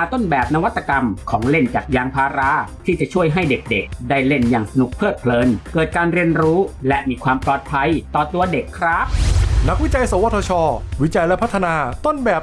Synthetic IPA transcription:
aː˨˧t̪o˥˩nbɛː˨˩p̚na˧wa˦˥t̪ːa˧ka˧mkʰɔː˩˦ŋle˥˩nt͡ɕaː˨˩k̚jaː˧ŋpʰaː˧ɾa˦˥t̪ʰiː˥˩t͡ɕa˨˩t͡ɕʰu˥˩əjɦa˥˩jde˨˩k̚de˨˩k̚daː˥˩jle˥˩njaː˨˩ŋsa˧nu˨˩k̚pʰɤː˥˩t̪̚pʰlɤː˧nkɤː˨˩t̪̚kaː˧nɾi˧ənɾuː˦˥lɛ˦˥ʔmiː˧kʰwaː˧mplɔː˨˩t̪̚pʰa˧jt̪ɔː˨˩t̪u˧ɐde˨˩kʰːɾa˦˥p̚na˦˥k̚wi˦˥t͡ɕa˧jsa˨˦wa˦˥t̪ʰːɔː˧t͡ɕʰɔː˧˩wi˦˥t͡ɕa˧jlɛ˦˥pʰa˦˥t̪ʰːa˧naː˧t̪o˥˩nbɛː˨˩p̚

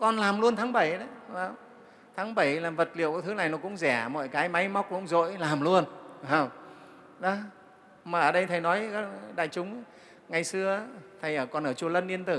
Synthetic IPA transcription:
kɔ˧nlaː˨˩mlu˧ənt̪ʰaː˨˦ŋɓə˧˩jɗə˨˦a˧˩w | t̪ʰaː˨˦ŋɓə˧˩jlaː˨˩və˨˩t̚lḭ˧˨əwkɔ˨˧˦t̪ʰɨ˨˦na˨˩jnɔ˨˦kʊ̰˧˥ŋ͡mzɛ˧˩mɔ̰˧˨jkaː˨˦jma˨˦jma˦˥wk͡p̚kʊ̰˧˥ŋ͡mzo̰˧˨jlaː˨˩mlu˧ənə˨˧˩w | ɗɔ˨˦ | maː˨˩ʔəː˧˩ɗə˧jt̪ʰə˨˩jnɔ˨˦jɗa̰ː˧˨jt͡ɕʊ˨˦ŋ͡m | ŋa˨˩jsɨ˧ə˦t̪ʰə˨˩jʔəː˧˩kɔ˧˩nʔəː˧˩t͡ɕu˧ələ˧nʔi˧ənt̪ɨ˧˩

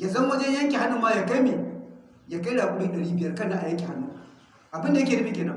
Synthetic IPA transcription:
ja˨zɐ˦mː˦ɐ˦d͡ʒɐ˦jjɐ˦ŋkʲe˨ha˦nːu˨mːaː˦ja˨kɐ˦jme˨ | ja˨ka˦jɽaː˨kʷʼu˦ɽi˦ɗɐ˨ɽiː˦bɪ˨jɐ˦rkɐ˦˨naː˨˦ʔa˨jɐ˦ŋkʲi˨ha˦nːu˦ | ʔa˨bɪ˦nda˨ja˦keː˨dɐ˦ɸi˦kʲeː˨nɐ˦

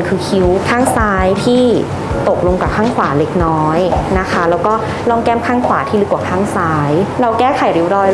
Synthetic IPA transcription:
nkʰɯː˧kʰi˦˥wkʰaː˥˩ŋsaː˦˥jt̪ʰiː˥˩ | t̪o˨˩k̚lo˧ŋka˨˩kʰaː˥˩ŋkʰwaː˩˦le˦˥k̚nɔː˦˥jna˦˥kʰa˦˥lɛː˦˥wkɔː˥˩ | lɔː˥˩ŋkɛː˥˩mkʰaː˥˩ŋkʰwaː˩˦t̪ʰiː˥˩lɯ˦˥kwaː˨˩kʰaː˥˩ŋsaː˦˥jɾa˧wkɛː˥˩kʰa˨˩˦jɾi˧˦˥wɾɔː˧j

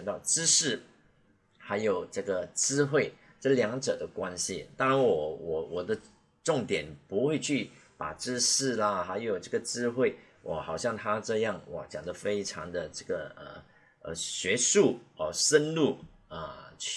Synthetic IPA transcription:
ŋt̪ɑ˥˩ʊʈ͡ʂɻ̩˥ʂɻ̩˥˩ | xa˧˥ɪjo˨˩ʊʈ͡ʂɤ˥˩ɡə˩ʈ͡ʂɻ̩˥xwe˥˩ɪ | ʈ͡ʂɤ˥˩ljɑ˧˥ŋʈ͡ʂɤ˨˩d̪ə˦kwa˥nɕḭ˨t̪ɑ˥ŋɻa˧˥nwɔ˨˩wɔ˨˩wɔ˨˩d̪ə˦ | ʈ͡ʂʊ˥˩ŋt̪jɛ˨˩npu˧˥xwe˥˧ɪt͡ɕʰy˥˩pa̰˨˩ʈ͡ʂɻ̩˥ʂɻ̩˥˩lə˧xa˧˥ɪjo˨˩ʊʈ͡ʂɤ˥˩ɡə˩ʈ͡ʂɻ̩˥xwe˥˩ɪ | wʔɔ̰˨˩xɑ˨˩ʊɕjɑ˥˩ŋt̪ʰa˥ʈ͡ʂɤ˥˧jɑ˥˩ŋwɔ̰˨˩t͡ɕjɑ˨˩ŋd̪ə˦fe˥ɪʈ͡ʂʰɑ˧˥ŋd̪ə˧ʈ͡ʂɤ˥˩ɡə˩ə̰˧˩ | ə̰˧˩ɕɥɛ˧˥ʂu˥˩ə˧˩ʂə˥nlu˥˩ | ə˧˩˥

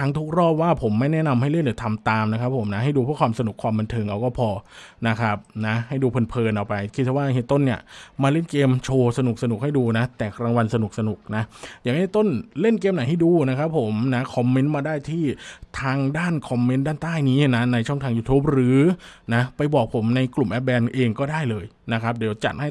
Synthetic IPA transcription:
tʰa˦˥ŋt̪ʰu˦˥k̚ɾɔː˥˩p̚waː˥˩pʰo˩˦mːa˥˩jnɛ˦˥na˧mha˥˩jle˥˩nlɯː˨˩˦t̪ʰa˧mt̪aː˧mna˦˥kʰa˦˥pʰːo˩˦mna˦˥ɦa˥˩jduː˧pʰɯ˥əkʰwaː˧msa˧nu˨˩kʰwaː˧mba˧nt̪ʰɤː˧ŋʔa˧wkɔː˥˩pʰɔː˧na˦˥kʰa˦˥p̚na˦˥ha˥˩jduː˧pʰɤː˧npʰɤː˧nʔa˧wpa˧jkʰi˦˥t̪̚t͡ɕɛ˧˩waː˥˩ɦe˦˥˩t̪o˥˩nːi˥˩ɐmaː˧le˥˩nkeː˧mt͡ɕʰoː˧sa˧nu˨˩k̚sa˧n˨˩k̚ha˥˩jduː˧na˦˥t̪ɛː˨˩kɾaː˧ŋwa˧nsa˧nu˨˩k̚sa˧nu˨˩k̚na˦˥jaː˨˩kheː˥˩t̪o˥˩nle˥˩nkeː˧mna˨˩˦jɦa˥˩jduː˧na˦˥kʰɾa˦˥pʰːo˩˦mna˦˥kʰɔ˧mːe˦˥nmaː˧daː˥˩jt̪ʰiː˥˩t̪ʰaː˧ŋdaː˥˩nkʰɔ˧mːe˧˦˥ndaː˥˩nt̪aː˥˩jniː˦˥na˦˥na˧jt͡ɕʰɔ˥˩ŋt̪ʰaː˧ŋjuː˧t̪ʰuː˦˥p̚ɾɯː˩˦na˦˥pa˧jbɔː˨˩k̚pʰo˩˦mna˧jklu˨˩mʔɛ˦˥p̚bɛː˧nʔeː˧ŋkɔː˥˩daː˥˩jlɤː˧j | na˦˥kʰɾa˦˥p̚di˩˦wt͡ɕa̰˨˩t̪̚ha˥˩

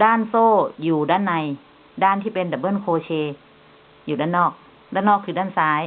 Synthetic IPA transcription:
daː˥˩˨nsoː˥˩juː˨˩daː˥˩˨nːa˧j | daː˥˩nt̪ʰiː˥˩pe˧nda˨˧˩bɤː˥˨nkʰoː˧t͡ɕʰeː˧ | juː˨˩daː˧˥˩nːɔː˥˩k̚ | daː˥˩nɔː˥˩kʰːɯː˧˩daː˥˩˨nsaː˨˦˥j

